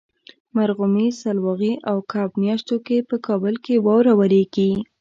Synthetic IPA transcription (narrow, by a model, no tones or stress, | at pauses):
maɾɣʊmisalwɑɣiʔawkʰɑbmjɑʃt̪okepəkɑbəlkewɑwɾawaɾeɡi